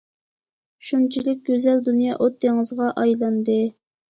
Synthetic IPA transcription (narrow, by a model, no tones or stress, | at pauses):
ʃunt͡ʃʰilɪk̚ʲɡʲøzɛld̪unjɑʔot̪ʰːeŋɨzʁɑʔɑjlˠɑnd̪ɨ